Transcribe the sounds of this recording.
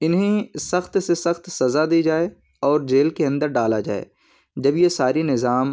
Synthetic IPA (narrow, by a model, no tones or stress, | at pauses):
ɪnɦẽsɐxt̪sesɐxt̪sɐzad̪id͡ʒaːe | ɔːɾd͡ʒeːlkeɐ̃nd̪əɾɖaːlad͡ʒa̰ːḛː | d͡ʒɐbjesaːɾinɪzaːm